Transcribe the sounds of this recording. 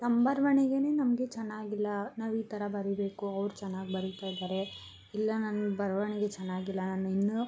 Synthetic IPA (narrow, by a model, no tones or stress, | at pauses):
t̪ɐmbɐɾɐʋɐɳeɡe̞ne̞ːnɐmɐɡe̞t͡ʃɛnːaːɡilːɐnaːʋiːt̪ɐɾɐbɐɾibe̞ːkuɐʋɾut͡ʃɐnːaːɡibɐɾut̪aːjd̪aːɾe̞ | ilːɐnɐnubɐɾʋɐɳeɡe̞t͡ʃɛnːaːɡilːɐnaːnːuinːu